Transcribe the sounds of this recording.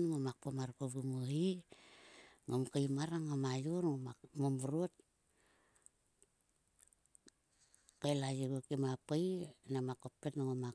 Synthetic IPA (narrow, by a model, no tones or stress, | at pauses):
nŋomakpomaɾkoβumoi | ŋomkajmaɾaŋomajoɾŋomamombuɾuot | kajlajeɡokimapajnamakopːetnaŋoma